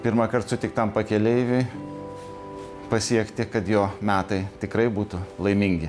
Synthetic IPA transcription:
pʲɪɾmɐkɐrt̪sʊt̪ʲɪkt̪ɐmpɐkʲɛlʲeɪʋʲʊɪ | pɐsʲiɛkt̪ʲɪkɐt̪joːmʲæːt̪ɐɪt̪ʲɪkɾɐɪbuːt̪ʊlˠɐɪmʲɪŋʲɡʲɪ

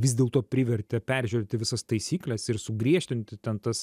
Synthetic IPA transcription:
ʋʲɪsd̪ʲeɛlˠt̪oːpʲɾʲɪʋʲɛɾʲt̪ʲɪpʲæɾʲʒʲyːɾʲeːt̪ʲɪʋʲɪsɐst̪ɐɪsʲiːklʲɛsɪɾsʊɡɾʲiɛʃʲt̪ʲɪnʲt̪ʲɪt̪ʲɛnt̪ɐs

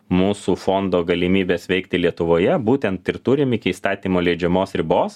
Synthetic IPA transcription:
muːsuːfond̪oːɡɐlʲɪmʲiːbʲeːsʋʲɛɪkt̪ʲɪlʲiɛt̪ʊʋoːjɛbuːt̪ʲɛnt̪ɪɾt̪ʊɾʲɪmɪkʲɪiːst̪ɑːt̪ʲiːmoːlʲɛɪd͡ʒʲɛmoːsɾʲɪboːs

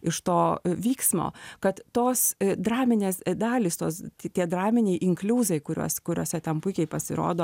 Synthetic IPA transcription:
ɪʃt̪oːʋʲiːksmo̰ːkɐt̪t̪oːsd̪ɾɑːmʲɪnʲeːsd̪ɑːlʲiːst̪oːst̪ʲt̪ʲiɛd̪ɾɑːmʲɪnʲɛɪʔɪŋklʲuːzɐɪkʊɾʲṵɔskʊɾʲoːsʲɛt̪ʲɛnpʊɪkʲɛɪpɐsʲɪ̰ɾo̰ːd̪oː

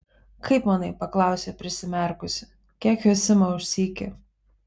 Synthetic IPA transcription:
kɐɪpmɐnɐɪpɐklˠɐˑʊsʲeːpʲɾʲɪsʲɪmʲɛˑɾkʊsʲʊ̥ | kʲiɛkjoːsʲɪmɐʊʃʲsʲiːkʲɪ

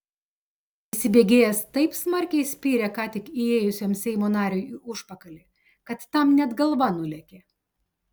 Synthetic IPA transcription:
ɪsʲɪbʲeːɡʲeːjɛst̪ɐɪpsmɐɾʲkʲɛɪsʲpʲiːɾʲɛkɑːt̪ʲɪkieːjʊsʲoːmsʲɛɪmoːnɑːɾʲoːjiʔʊʃpɐkɐlʲɪ | kɐt̪ːɐmnʲɛd̪ɡɐlˠʋɐnʊlʲɛkʲe

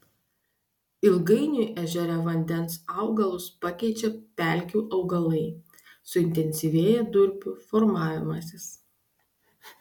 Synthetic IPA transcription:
ɪlˠɡɐɪnʲʊˑʔæʒʲɛɾʲɛʋɐnʲd̪ʲɛnsɐˑʊɡɐlˠʊspɑkʲɛɪt͡ʃʲɛpʲæˑlʲˑkʲuːʔɐʊɡɐlˠɐɪ | sʊɪnʲt̪ʲɛnʲsʲiʋʲeːjɛd̪ʊɾʲpʲʊfɔɾmɑːʋʲɪmɐsʲɪs

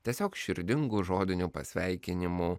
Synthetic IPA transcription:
t̪ʲiɛsʲoːkʃʲɪɾʲd̪ʲɪŋɡuʒoːd̪ʲɪnʲuːpɐ̰sʲʋʲɛɪkʲɪnʲɪmuː

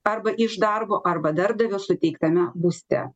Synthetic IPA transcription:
ɐɾbɐʔɪʒd̪ɐɾboːʔɐɾbɐd̪ɐɾb̚d̪ɐʋʲʊsʊt̪ʲɛɪkt̪ɐmʲɛbʊsʲt̪ʲɛ̰

